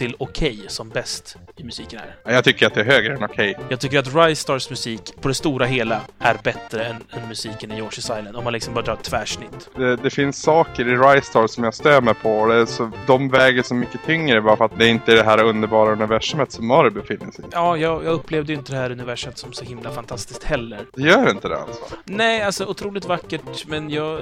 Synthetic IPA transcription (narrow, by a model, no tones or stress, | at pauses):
t̪ʰɪlɔkʰɛjsɔmbɛst̪ | ɪmɵsiːkənæ̰ɾajɑɡt̪ʰʏkːəɾat̪̚d̪ɛæɾɦøːɡɾəɛnɔkʰɛjjɑːɡ̚t̪ʏkːəɾat̪ɾajst̪ɑːɾsmɵsiːkpʰɔd̪ɛst̪uːɾaɦeːlaʔæɾbɛt̪ɾəɛnɛnmɵsiːkənɪjɔːʂɪsajlənd̪ɔmːanlɪksɔmbɑːad̪ɾːt̪ʰvæːʂnɪt̪ːd̪ɛd̪ɛfɪnsːɑːkəɾɪɾajst̪ɑːsɔmjaɡst̪øːməɾpʰɔɔd̪ɛsɔd̪ɔmvɛːɡəʂɔmːʏkːət̪ʰʏŋɾəbɑːɾafəɾat̪̚d̪ɛɪnt̪əæɖɛɦæːɾaɵnd̪əɾbɑːɾaɵnɪvæʂəmət̪sɔmːɑɾəbɛfɪnːəʂɛjɑːjɑːɡjɑːɡɵpːleːvd̪əjɪnt̪əd̪ɛhæːɾɵnɪvæʂmət̪sɔmsɔhɪmlafant̪ʰast̪ɪsk̚t̪hɛlːəɾd̪ɛjœːɾɪnt̪əd̪ɛ̰a̰lsɔ̰nɛːalsɔʊt̪ʰɾuːlɪt̪vakːəʈmɛnjɑːɡ